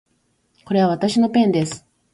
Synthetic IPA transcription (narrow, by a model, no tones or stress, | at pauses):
ko̞ɾe̞βaβat̪aɕino̞pẽ̞nd̪esɨ̥